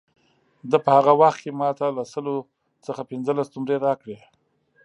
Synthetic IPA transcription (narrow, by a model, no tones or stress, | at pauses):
d̪əpəhaɣawaxt̪̚kemɑt̪alasəlo | t͡səxapɪnzəlast̪ʊmɾeɾɑkɽe